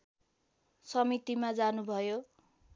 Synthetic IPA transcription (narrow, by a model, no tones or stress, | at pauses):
sʌmit̪imad͡zanubʱʌjo